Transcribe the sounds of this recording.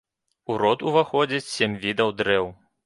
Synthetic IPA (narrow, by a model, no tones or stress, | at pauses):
uɾɔt̪uvaxɔd͡zʲit͡sʲsʲemʲvʲid̪ɐwd̪ɾɛw